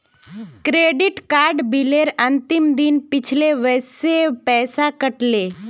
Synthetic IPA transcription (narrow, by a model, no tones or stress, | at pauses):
kɾeɖiʈkaɾɖbʱileɾənt̪imd̪inpit͡ɕʰleʋəjsepɛːsakəʈle